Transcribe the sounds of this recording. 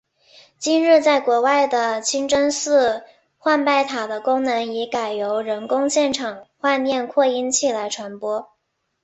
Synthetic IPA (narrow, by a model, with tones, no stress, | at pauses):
t͡ɕi˥nɻɻ̩˥˧t͡sa˥˩ɪkwɔ˧˥wa˥˩ɪd̪ə˩t͡ɕʰi˥ŋʈ͡ʂə˥nsɹ̩˥˧ | xwa˥˧npa˥˩ɪt̪ʰa˨˩d̪ə˦kʊ˥ŋnɤ˧˥ŋi˧˥ka˨˩ɪjo˧˥ʊɻə˧˥nkʊ˥ŋɕjɛ˥˩nʈ͡ʂʰɑ˨˩ŋxwa˥˧nnjɛ˥˧nkʰwɔ˥˩i˥nt͡ɕʰi˥˩la˧˥ɪʈ͡ʂʰwa˧˥npwɔ˥